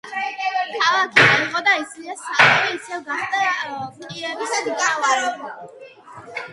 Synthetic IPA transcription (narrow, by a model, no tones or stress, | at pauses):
kʰalˠakʰiɛiqʼɔd̪aisliasaɛɾiisɛvɡaχd̪at̪ʼiɛɾisavaɾɔ